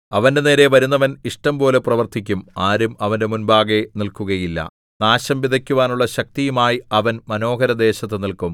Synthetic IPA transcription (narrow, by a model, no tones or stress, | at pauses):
ɐʋɐnde̞ne̞ːɾe̞ʋɐɾunːɐʋɐniʂʈɐmpo̞ːle̞prɐʋɐrt̪ʰikʲːumaːɾumɐʋɐnde̞munbaːɡe̞nilkuɣɐjilːɐ̰ | naːɕɐmʋid̪ʱɐkʲːuʋaːnuɭːɐɕɐk̚t̪ijumaːjiɐʋɐnmɐno̞ːɦɐɾɐd̪e̞ːɕɐt̪̬ːɨnilkum